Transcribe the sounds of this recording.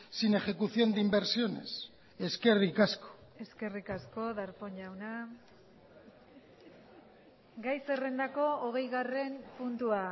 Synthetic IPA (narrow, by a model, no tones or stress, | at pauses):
sine̞xe̞kuθjo̞nd̪imbe̞ɾsio̞ne̞̰s | e̞ske̞rikasko̥e̞ske̞rikasko̞ðaɾpo̞ɲʎawna | ɡajse̞re̞nd̪ako̞oɣ̞e̞jɣare̞mpunt̪ua